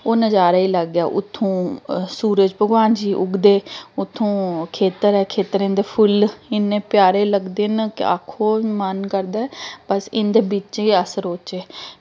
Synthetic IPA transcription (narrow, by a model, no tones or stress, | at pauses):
oːnəd͡ʒaːɾaːiːləɡjaːʔʊ̰t̪ʰːõːsuːɾəd͡ʒbʱəɡʋaːnd͡ʒiːʔʊɡd̪eːʊt̪ʰːõːkʰeːt̪əɾɛːkʰeːt̪əɾɪ̃nd̪eːpʰʊlɪnːẽːpjaːɾeːləɡd̪eːnkɪ̰a̰kʰːoːmənkəɾd̪aːɛpəsɪnd̪eːbɪt͡ʃiːəsəɾoːt͡ʃeː